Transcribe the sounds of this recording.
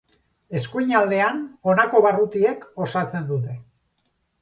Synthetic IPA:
e̞skujɲald̪e̞ano̞nako̞βarut̪ie̞ko̞sat͡se̞nd̪ut̪e̞

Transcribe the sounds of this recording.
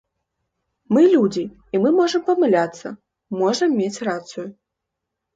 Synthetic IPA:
mɨlʲud͡zʲi | imɨmɔʐɐmpɐmɨlʲat̪sːɐ̰ | mɔʐɐmːʲet͡sʲrat̪sujʊ

